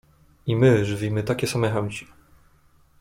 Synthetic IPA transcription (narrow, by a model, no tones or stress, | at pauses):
imɘʐɘvʲimɘt̪akʲɛsamɛxɛwt͡ɕi̥